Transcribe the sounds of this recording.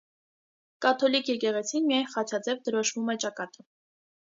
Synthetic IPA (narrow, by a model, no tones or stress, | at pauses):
kɑt̪ʰɔlikʰjɛkɛʁɛt͡sʰinmijɑjnχɑt͡ʃʰɑd͡zɛvd̪əɾɔʃvumɛt͡ʃɑkɑt̪ə